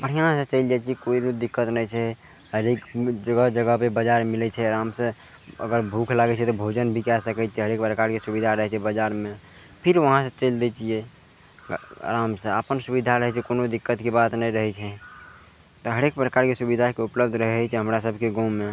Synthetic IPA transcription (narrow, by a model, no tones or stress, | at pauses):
pəɽ̤ijãsə̃t͡ʃəɪld͡ʒat͡ʃʰiɛkoinod̪ikːət̪nəjt͡ʃʰɛ | ɦəɾekd͡ʒəɡəd͡ʒəɡəɦpebəd͡ʒaɾmilɛt͡ʃʰɛəɾamsə̃ | ə̰ɡəɾbʱukʰlaɡɛt͡ʃʰɛt̪ɔbʱod͡ʒənbʱikɛsəkɛt͡ʃʰɛɦəɾekpɾəkaɾkesubid̪ʱaɾəɦɛt͡ʃʰɛbəd͡ʒaɾme | pʰiɾʋəɦãsə̃t͡ʃəɪld̪ɛt͡ʃie | ə̰ɾamsə̃əpənsubid̪ʱaɾəɦɛt͡ʃʰɛkonod̪ikːət̪kebat̪nɛjɾəɦɛt͡ʃʰɛ | t̪ɔɦəɾek̚pɾəkaɾkesubid̪ʱakeupləb̚d̪ʱɾəɦɛt͡ʃʰɛɦəmɾasəbʱkeɡɔmːe